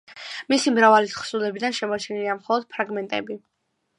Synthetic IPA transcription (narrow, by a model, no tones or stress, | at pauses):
misimɾavalit̪χsulɛbid̪anʃɛmɔt͡ʃʰɛniliamχɔlˠɔd̪̥̚pʰɾaɡmɛnt̪ʼɛ̰bi